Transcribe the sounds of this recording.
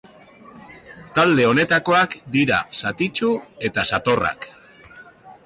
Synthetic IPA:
t̪ald̪e̞o̞ne̞t̪ako̞akd̪iɾa̰sat̪it͡ʃue̞t̪asat̪o̞ra̰k

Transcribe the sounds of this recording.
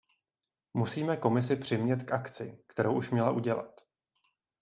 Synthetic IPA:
musiːmɛko̞mɪs̬ɪpr̝̥ɪmɲɛt̪kʔakt͡sɪkt̪ɛɾowʔuʃmɲɛlaʔuɟɛla̰t̪

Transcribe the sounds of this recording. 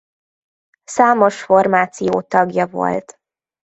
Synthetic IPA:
saːmo̞ʃfo̞rmaːt̪sijoːt̪ɒɡjɒvo̞̰lt̪

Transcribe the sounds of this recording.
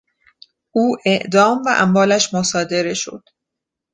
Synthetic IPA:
ʔuːʔeʔd̪ɒːmvæʔæ̰mvɒːlæʃmosɒːd̪e̞ɾe̞ʃo̞̰d̪̥

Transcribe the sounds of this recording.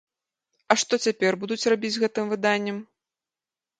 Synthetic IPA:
ɐʂt̪ɔt͡sʲapʲɛrbud̪ut͡sʲrabʲid͡zʲɣɛt̪ɨmvɨd̪anʲːɐm

